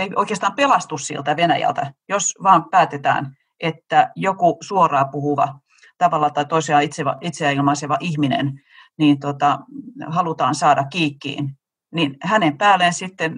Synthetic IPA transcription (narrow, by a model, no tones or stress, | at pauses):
eioikeːst̪ɑːmpelɑst̪ussḭlt̪æʋenæ̰jæ̰lt̪æjosʋɑːmpæːt̪et̪æ̰ːn | ʔet̪ːæjokusuorɑːpuhuʋɑ̰ | t̪ɑʋɑlːɑt̪ɑit̪oiseɑit̪seʋɑ̰ʔit̪seæilmɑiseʋɑʔihminḛn | niːnt̪ot̪ɑhɑlut̪ɑːnsɑːdɑkkiːkːḭːn | ninhænempæːlːˑensit̪ːen